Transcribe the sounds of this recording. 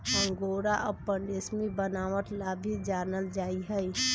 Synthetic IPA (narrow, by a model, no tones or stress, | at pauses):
ɦə̃ŋɡoɾaʔəpːəɳɖesmebənaʋəʈ̪labʱid͡ʒanəld͡ʒaːiɦəi